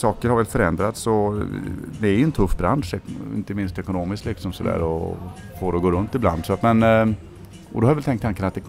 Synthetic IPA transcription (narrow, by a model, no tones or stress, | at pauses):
sɑːkəɾhaɾvɛlfœɾɛnd̪ɾat̪sɔ | d̪ɛæɾjɵɛnt̪ʰɵfːbɾanʂɛɪ̰nt̪əmɪnst̪ɛkʊnoːmɪsk̪lɪksɔmsɔd̪æ̰ːɾɔ̰ | foːɾɔɡoːɾɵnt̪ɪbla̰nd̪sat̪mɛn | ʔɔd̪ɔhaɾvɛlt̪ʰɛŋkt̪ʰːaŋkənat̪d̪ɛ